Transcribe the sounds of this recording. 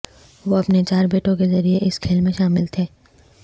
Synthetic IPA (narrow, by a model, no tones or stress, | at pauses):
ʋoɐpnet͡ʃaːɾbeːʈõk̬ezɐɾieʔɪskʰeːlmẽʃaːmɪlt̪ʰeː